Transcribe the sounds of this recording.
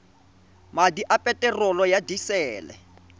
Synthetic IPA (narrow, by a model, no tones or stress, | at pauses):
madiʔapʼɛtʼɛrɔlɔjadisɛːlɛ̰